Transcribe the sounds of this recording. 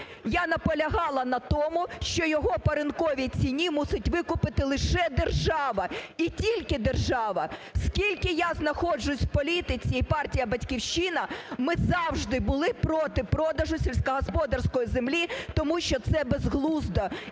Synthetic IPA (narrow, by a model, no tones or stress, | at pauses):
janɐpɔlʲɐɦɑlˠɐnɐt̪ɔmʊʃt͡ʃɔjɔɦɔpɐɾɪnkɔʋʲit͡sʲinʲimusɪtʲʋɪkʊpɪt̪ɪlˠɪʃɛd̪erʒɑʋɐitʲilʲkɪd̪erʒɑʋɐskʲilʲkɪjaznɐxɔd͡ʒʊsʲpɔlʲit̪ɪt͡sʲiipɑrtʲijɐbɐtʲkʲiwʃinɐmɪzɑwʒd̪ɪbʊlˠɪpɾɔt̪ɪpɾɔd̪ɐʒʊsʲelʲsʲkɐɦɔspɔd̪ɐrsʲkɔjizemlʲit̪ɔmuʃt͡ʃɔt̪sɛbezɦlˠuzd̪ɐ